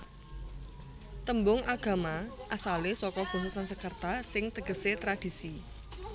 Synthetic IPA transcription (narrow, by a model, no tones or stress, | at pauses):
t̪əmbʊŋʔaɡ̥a̤maʔasalesɔkɔb̥o̤susansəkərt̪asɪŋt̪əɡ̥ə̤set̪ɾad̥i̤si